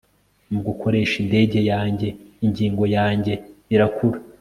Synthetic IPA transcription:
muɡukʰo̞ɾe̞ːʃinde̞ːɟe̞jaːɲɟe̞iɲɟiːŋɡo̞jaːɲɟe̞iɾakʰuɾa

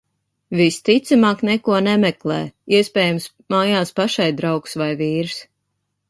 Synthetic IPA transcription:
vist̪it̪samaːknɛkuɔnɛmɛklˠɛ̰ːiɛspʲɛːjams | maːjaːspaʃajd̪ɾawksvajviːɾs

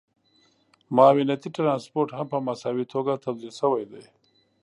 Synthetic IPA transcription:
mɑːwɪnat̪iʈɾɑnspoɾʈhampəmasawit̪ʰoɡat̪awd̪ilʃəwajd̪aj

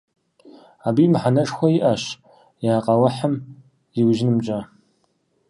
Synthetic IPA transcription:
aːbiːmɨħanɐʂxʷɔjɪʔɐɕ | jaːqʼɐwɐħəm | jɪwʒɪnɨmt͡ʃʼa

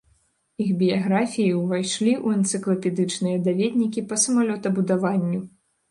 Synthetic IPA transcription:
ixbʲijaɣɾafʲijiwvajʂlʲiʔuɐnt̪sɨklˠɐpʲɛd̪ɨt͡ʂnɨjɐd̪avʲɛd̪ʲnʲikʲipɐsɐmalʲɔt̪ɐbud̪avanʲːu

